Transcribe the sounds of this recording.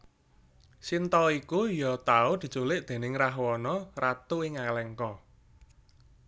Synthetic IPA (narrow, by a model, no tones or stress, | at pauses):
sint̪ɔikujɔt̪aud̪̥i̤̥t͡ʃulɪʔd̪̥e̤nɪŋraɦwɔnɔrat̪uɪŋalɛŋkɔ